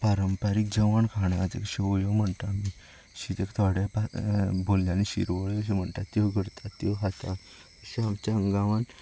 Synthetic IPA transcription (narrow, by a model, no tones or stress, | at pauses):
paɾəmpaɾik̚d͡ʑəʋaɳkʰaɽ̃at̪ḛkɕeʋoɭjɔm̤əɳt̪ami | ɕit̪ekt̪ʰaɽjapabolːjaniɕḭɾʋoɭjɔɕ̬em̤əɳt̪at̪ːioɡʱəɾt̪ʰat̪ːiɦat̪a | əɕiamt͡ɕaəŋɡaʋan